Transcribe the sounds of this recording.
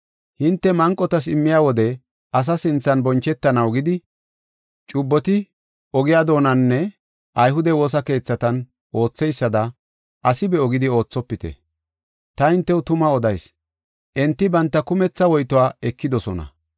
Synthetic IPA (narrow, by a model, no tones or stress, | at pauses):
hɪnt̪ːɛmɐŋkʼːɔt̪ɐsɪmːɪjaːwɔd̪ɛ | ʔɐs̬ɐsɪnt͡sːɐnbɔnt͡ʃːɛt̪ːɐnɐwɡɪd̪ɪ | t͡ʃʼʊbːɔt̪ɪ | ʔɔɡɪjaːd̪o̞ːnɐnːɛ | ʔɐjhʊd̪ɛwo̞ːs̬ɐke̞ːt͡sːɐt̪ɐn | ʔo̞ːt͡sːɛjsːɐd̪ɐ | ʔɐsɪbɛɔɡɪd̪ɪo̞ːt͡sːɔpːɪt̪ɛ̰ | t̪ɐɪnt̪ːɛwʊt̪ʊmɐɔd̪ɐjs | ʔɛnt̪ːɪbɐnt̪ːɐkʊmɛt͡sːɐwɔjt̪ɔwaːɛkːɪd̪ɔsɔnɐ̰